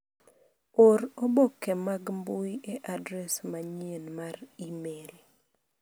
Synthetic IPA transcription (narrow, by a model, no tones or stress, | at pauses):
oɾobokːɛmaɡmbuieʔadɾɛsmaɲenmaɾimel